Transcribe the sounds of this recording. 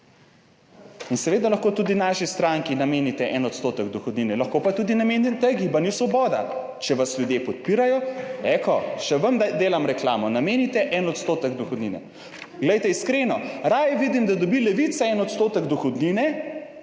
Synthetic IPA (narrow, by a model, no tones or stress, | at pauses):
insɛʋeːd̪alɐxkot̪ud̪inaʃist̪ɾaŋkinameːnit̪ɛʔɛnɔt̪st̪oːt̪əɡd̪ɔxɔd̪ninɛlɐxkopat̪uːd̪inamenit̪ɛɡibanjusʋɔbɔːd̪a̰ | t͡ʃɛʋasljud̪jepɔt̪̚piɾajɔɛkɔʃɛʋəmd̪eːlamɾɛkla̰ːmɔnameːnit̪ɛʔɛnɔt̪st̪oːt̪əɡd̪uxɔd̪ninɛ̰ | ɡlɛjt̪ɛiskɾeːnɔɾajʋid̪imd̪ad̪ɔbilɛʋit̪sɛɛnɔt̪st̪oːt̪əɡd̪ɔxɔd̪ninɛ